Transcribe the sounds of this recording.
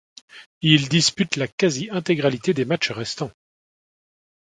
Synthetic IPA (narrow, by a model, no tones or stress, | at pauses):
ild̪ispyt̪lakaziʔɛ̃t̪eɡʁalit̪ed̪ematt͡ʃʁɛst̪ɑ̃